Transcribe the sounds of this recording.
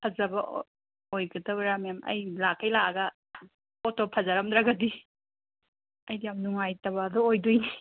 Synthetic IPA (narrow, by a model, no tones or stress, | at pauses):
pʰɐzɐbɐʔ | ojɡɐdɐbɐɾamjamʔɐ̰jlakʰːɐjlaʔɐɡɐ | ɔtopʰɐzaɾɐmd̪ɾaɡɐdi | ɐjdijamnuŋajtɐbɐːdɔojdujni